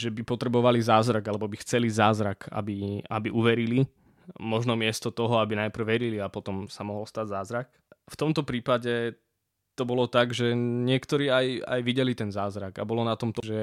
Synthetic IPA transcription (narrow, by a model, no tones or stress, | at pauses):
ʒɛbipɔt̪ɾɛbɔʋalizaːzɾaɡalɛbɔbixt͡sɛlizaːzɾaka̰bia̰biʔuʋɛɾili | mɔʒnɔmɪɛst̪ɔt̪ɔɦɔabinajpr̩ʋɛɾiliapɔt̪ɔmsamɔɦɔlst̪aɟzaːzɾak | ft̪ɔmt̪ɔpɾiːpaɟɛ | t̪ɔbɔlɔt̪aɡʒɛɲɪɛkt̪ɔɾiːaja̰jʋiɟɛlit̪ɛnzaːzɾaɡa̰bɔlɔnat̪ɔmt̪ɔʒɛ